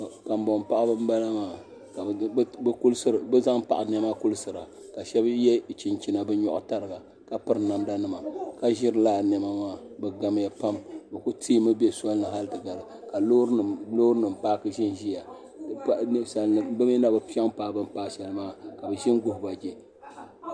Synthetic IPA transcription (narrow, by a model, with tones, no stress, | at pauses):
pa˨m˨bo˨m˨pa˦ʔa˦bɨ˦mba˦la˦maː˦˨ | ka˨˦bku˦lsɾbɛ˦za˦ŋpa̰˨ʔa˨n˦ɛ˦ma˦ku˦lɨ˦sɨ˨ɾa˨ | ka˨ʃɛ˦bjɛ˦t͡ʃi˨nt͡ʃi˨na˨bɨ˦ɲɔ̰˨ʔʊ̰˨ta˦ɾɨ˨ɡa˨ | ka˨pɨ˦ɾɨ˨na˨mda˨nɨ˦ma˨ka˦ʒɪ˦ɾɨ˦laː˦˨nɛ˦ma˦maː˦˨ | bɛ˨ɡa˨m˦ja˨pa˦mbɛ˨ku˦tʰiː˦mɨ˦be˦sɔ˦lnɨ˨ɦa˦lɨ˦tɨ˨ɡa˨ɾɨ˨ | ka˨lo˦ɾlo˦hɾɨ˦nɨ˨m̩˨paː˦kɨ˦ʒɪ˦nʒi˦ja˨˦ | n˦˨sa˨lbɨ˦m˦i˦na˦bɨ˨˦a˦ŋpaː˦bɨ˦m˦paː˦˨ʃɛ˨lɨ˦maː˦ka˨bɨ˨ʒɪ˦n˦ɡʊ˨hʊ˨ba˨d͡ʒɛ˦